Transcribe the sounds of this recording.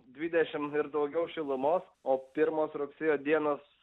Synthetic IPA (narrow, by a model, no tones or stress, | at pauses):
d̪ʲʋʲid̪ʲɛʃʲɪmɪɾd̪ɐʊɡʲɛʊʃʲɪlˠʊmoːs | oːpʲɪɾmoːsɾʊksʲeːjoːd̪ʲiɛnoːs